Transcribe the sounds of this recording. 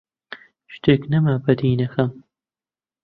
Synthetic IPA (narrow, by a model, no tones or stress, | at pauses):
ʃt̪ʰeknɐmɐbɐd̪iːnɐxɐm